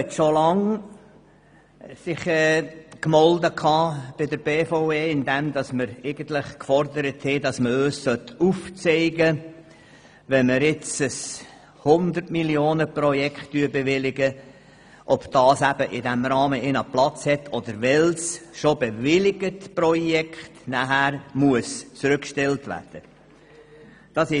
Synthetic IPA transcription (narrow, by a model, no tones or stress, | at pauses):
ɛt̪ʃolɑŋ | sɪχɛːkmɔld̪əkʰɑːb̥ɪd̪əɾb̥eːfoʊeːɪnd̪ɛmd̪ɑsməɾɛɪɡ̥ən̩t̪lɪχkfɔrdəɾəthɛdɑsməøːssœt̪uft͡sɛɪɡə | ʋɛnməɾɪt͡səs | hʊnd̪ərtmilioːnəprɔjɛkχtdyəbeʋɪlɪɡə | ʔɔb̥d̥ɑːsæb̥əʔɪdæmrɑːməʔɪnɑplɑt͡shɛt̪ʰɔd̪əɾʋɛlsʃobevɪlɪɡətprɔjɛktnæɦæɾmuəst͡sɾʏkʃtɛltvæ̰ːrd̥ə | d̥ɑsɪ